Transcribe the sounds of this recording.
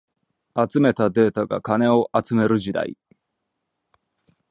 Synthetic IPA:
at͡sɨme̞t̪ad̪e̞ːt̪aɡa̰kane̞o̞ʔat͡sɨme̞ɾɯ̟ʑid̪a̰ḭ

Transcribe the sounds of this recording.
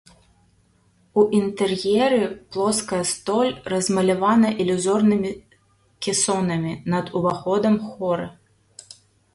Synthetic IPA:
uʔint̪ɛrjɛɾɨplˠɔskɐjɐst̪ɔlʲrɐzmɐlʲɐvanɐʔilʲuzɔrnɨmʲi | kʲɛsɔnɐmʲinɐd̪uvaxɔd̪ɐmxɔɾɨ

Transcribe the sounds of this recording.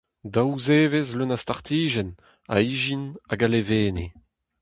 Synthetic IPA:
d̪awuzeːvezlønast̪aʁt̪iːʒɛn | a̰iʒinaɡaleveːne

